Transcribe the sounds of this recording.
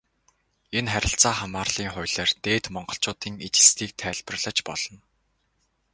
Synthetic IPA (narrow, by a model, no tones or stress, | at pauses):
enχæɾʲɪ̆ɬt͡saːχamaːrɮ̥iːŋχʊjɮeːrt̪eːt̪mɔɴɢɞ̆ɬt͡ɕʊːt̪iːŋet͡ɕɪ̆st̪ʰiːk̚t̪ʰæːɮpə̆rɮə̆t͡ɕpɔɮ̥ɞ̆n